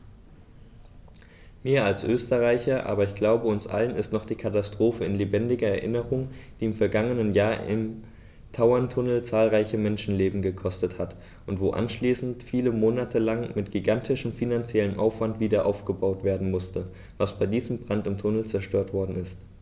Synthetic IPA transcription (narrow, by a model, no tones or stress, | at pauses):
miːɐalsʔøːstəʁaɪçɐʔa̰ːbɐɪçɡ̥laʊbəʊnsʔa̰lənɪstnɔχd̥iːkʰatastʁ̥oːfəɪnlebɛndɪɡɐɛɐʔɪnəʁʊŋd̥iːɪmfɛɐɡaŋənənjaːɐɪ̰m | tʰaʊɐntʰʊnl̩t͡saːlʁaɪçəmɛnʃn̩leːbm̩ɡəkʰɔstəthat | ʔʊntv̥oːʔa̰nʃliːsn̩tfiːləmoːnatʰəlaŋmɪtɡ̥iɡantʰɪʃəm̩finant͡sjɛlənʔa̰ʊfv̥antv̥iːdɐʔa̰ʊfɡ̥əbaʊtv̥eːɐdn̩mʊstə | vasb̥aɪdiːzəm̩bʁ̥antɪmtʰʊnl̩t͡sɛɐʃtøːɐtv̥ɔɐdn̩ɪst